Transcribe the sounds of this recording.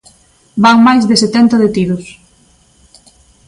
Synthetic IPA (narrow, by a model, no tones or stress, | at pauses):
baŋmajzðeset̪ɛnt̪ɐðet̪iðʊs